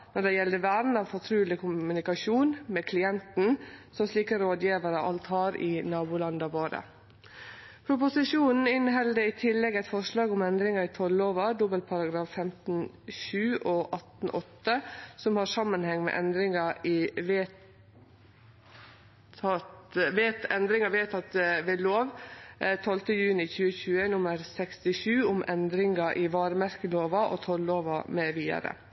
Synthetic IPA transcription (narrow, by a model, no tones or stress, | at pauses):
nɔɖɛjɛld̪əʋæːɾn̩ɑʋfɔt̪ʰɾʉːlɪkʰʊmʉnɪkɑʃuːnmɛkʰlɪɛnt̪n̩sɔmsliːkəɾoːd̪jiːʋəɾəʔɑlt̪hɑːɾɪnɑːbuːlɑnd̪ɑʋoːɾə̰ | pʰɾʊpʊsɪʂuːnn̩ɪnɦɛld̪əɪt̪ʰɪlːɛɡæɪt̪fɔʂlɑːɡʊmɛnd̪ɾɪŋɑɾɪt̪ʰɔlːoːʋɑd̪ʊbəlpʰɑɾɑɡɾɑːffɛmt̪n̩ | ʃʉːʔoːʔɑt̪n̩ʔɔt̪ːəsɔmhɑʂɑmːənhɛŋmɛ̰ʔɛnd̪ɾɪŋɑɪʋeː | ɑt̪ʋeːt̪ɛnd̪ɾɪŋɑʋeːt̪ʰɑt̪ʋɛloːʋt̪ʰɔlt̪əjʉːnɪçʉːəçʉːənʊməɾsɛkst̪ɪʂʉːʊmʔɛnd̪ɾɪŋɑʔɪʋɑːɾəmæɾkəloːʋɑʔo̰t̪ʰɔlːoːʋɑmeːʋiːd̪ɑ̰ɾə̰